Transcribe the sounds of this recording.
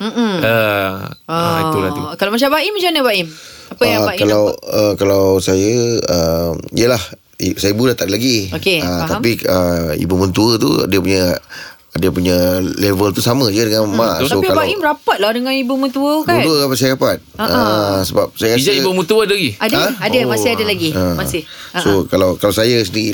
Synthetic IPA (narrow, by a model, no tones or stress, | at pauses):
m̩ə | aiulat̪ukalawmat͡ʃabaimət͡ʃanəbaʔimapəəaakalawəkalawsajəəmḭjəlah | isajəibulat̪aʔdəlaɡiokeət̪apiəḭbumənt̪uət̪ṵdiəpuɲə | diəpuɲəlevəlt̪usamə̃d͡ʒədəŋãnmasaopialbaimɾapat̪̚ladəŋãnibumə̃nt̪uəauduəkapat̪̚s̬ajəɾapat̪̚aəsəbap̚sajəkasd͡ʒaibumə̃t̪uəadəlaɡiadaadəmasɪhadəlaɡiəmasɪhsokalawkalawsajəs̬əndii